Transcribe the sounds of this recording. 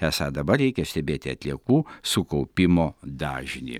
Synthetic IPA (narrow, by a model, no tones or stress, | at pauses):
ɛsɑːd̪ɐbɐrɾʲɛɪkʲɛsʲt̪ʲɛbʲeːt̪ʲɪɐt̪ʲlʲiɛkuːsʊkɐʊpʲɪmoːd̪ɑːʒʲɪnʲḭ